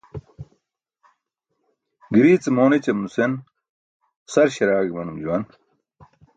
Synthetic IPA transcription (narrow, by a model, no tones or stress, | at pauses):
ɡiɾiːt͡semoːnet͡ɕɐmnusen | sɐɾɕɐɾaːɡimɐnumd͡ʑuwɐn